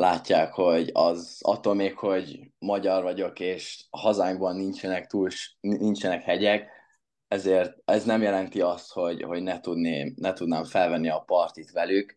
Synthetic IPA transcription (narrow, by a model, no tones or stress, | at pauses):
laːcːaːkho̞ɟɒ̰zɒ̰t̪ːo̞lmeːkho̞ɟmɒɟɒrvɒɟo̞keːʃhɒzaːŋbɒnːint͡ʃɛnɛkt̪uːlʃint͡ʃɛnɛkhɛɟɛk | ɛzeːrt̪̚ɛznɛmjɛlɛnt̪iɒst̪ho̞ɟho̞ɟnɛt̪ud̪neːmnɛt̪ud̪naːɱfɛlvɛnːiɒpɒrt̪it̪ʋɛlyk